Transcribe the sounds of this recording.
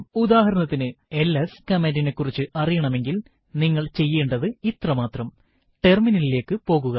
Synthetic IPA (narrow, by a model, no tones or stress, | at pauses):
ud̪aːɦɐɾɐnɐt̪ːinɨe̞leskɐmendɖine̞kːurit͡ɕːɨʔɐrijɐɳɐme̞ŋɡil | niŋːɐɭt͡ɕe̞jːeːɳɖɐðɨit̪rɐmaːt̪rɐm | ʈe̞rminɐlileːkːɨpo̞ːɣuɣɐ